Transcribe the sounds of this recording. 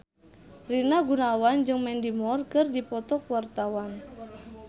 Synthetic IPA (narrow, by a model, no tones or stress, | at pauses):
rinaɡunawand͡ʒɨŋmɛndimɔrkɨrdipɔt̪ɔkwart̪awan